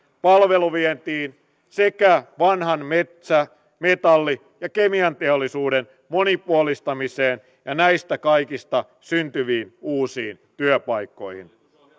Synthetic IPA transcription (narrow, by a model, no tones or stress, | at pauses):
pɑlʋe̞luʋient̪iːn | se̞kæʋɑnɦɑnmet̪sæ | me̞t̪ɑlːi | jɑke̞miɑnt̪eolːisuːden | mo̞nipuolist̪ɑmise̞ːn | jɑnæist̪ækɑjkist̪ɑ | synt̪yʋiːnuːsiːnt̪yøpɑjkːo̞jhḭn